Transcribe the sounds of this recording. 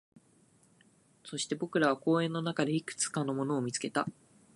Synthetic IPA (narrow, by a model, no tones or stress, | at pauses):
so̞ɕi̥t̪e̞bo̞kɯ̟ɾaβ̞ako̞ːẽ̞nːo̞nakad̪e̞ikɯ̟̥t͡sɨ̥kano̞mo̞no̞ːmʲit͡sɨ̥ke̞t̪a